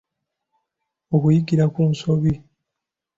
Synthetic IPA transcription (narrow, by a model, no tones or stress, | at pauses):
okujiɡiɾakuːnso̞βi